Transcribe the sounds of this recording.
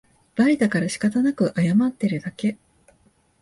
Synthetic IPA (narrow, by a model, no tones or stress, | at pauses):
b̥aɾʲid̪akaɾaɕi̥kat̪anakɯ̟ʔajamat̪ːe̞ɾɯ̟d̪ake̞